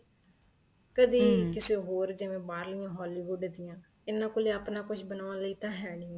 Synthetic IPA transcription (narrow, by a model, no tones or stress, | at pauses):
kəd̪iːkɪseːɦoːɾd͡ʒɪʋẽːbaːɾlɪjãːɦɔːliːʋʊɖd̪ɪjãː | ɪnːãːkoleːəpnãːkʊt͡ʃʰbənaːʋãːləiːt̪ãːɦɛːɽ̃ĩːɛ̃